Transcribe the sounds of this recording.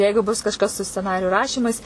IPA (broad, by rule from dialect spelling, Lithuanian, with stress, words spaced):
ˈjɛɪɡʊ bʊs kɐʃˈkɐs sʊ sʲt͡sʲɛˈnɑːrʲɪjʊ ˈrɑːʃʲiːmɐɪs